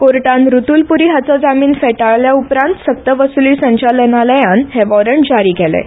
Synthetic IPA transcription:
koɾʈãnɾut̪uːlpuɾiɦat͡sad͡zamiːnfeʈaɭljaupɾãnt̪sək̚t̪əʋəsuliːsə̃ɲt͡ɕalənaləjãnɦeʋɔɾəɳd͡ʑaɾiːɡʱelḛ

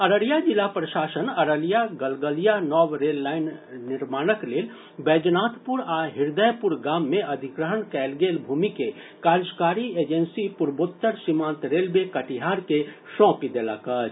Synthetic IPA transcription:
ɐɾəlijad͡ʒɪlapɾəʃaːsənɐɾəlijaɡəlɡəlijanɔːwɾeːlːaːɪnːɪɾmaːnəkleːl | bɛːd͡ʒnaːt̪ʰpʊɾaɦɪɾd̪əjpʊɾɡaːmːẽɐd̪ʱɪkɾəɦənkɛːlɡeːlbʱuːmike | kaːɾd͡ʒkaːɾieːd͡ʒənsipʊɾboːt̪ːəɾsimãːnt̪ɾeːlbekəʈiɦaːɾkeʃɔ̃ːkid̪ela̰kət͡ʃ

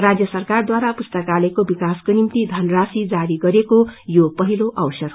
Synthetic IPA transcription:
rad͡zjʌsʌrkard̪waɾapust̪ʌkalekobikaskonimt̪id̪ʱʌnrasid͡zaɾiɡʌɾekojopʌɦiloʔʌwsʌr

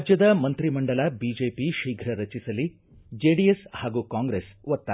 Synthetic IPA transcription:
d͡ʒjɐd̪ɐmɐnt̪ɾimɐɳɖɐlɐbiːd͡ʒeːpiʃiːɡʱɾɐɾɐt͡ʃisɐlːi | d͡ʒeːɖijeshaːɡuːkaːŋɡɾesʋɐt̪ːa

